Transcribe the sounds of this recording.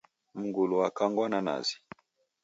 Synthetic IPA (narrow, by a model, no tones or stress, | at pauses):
m̩ŋɡulɔakaŋɡwanana̰zi̥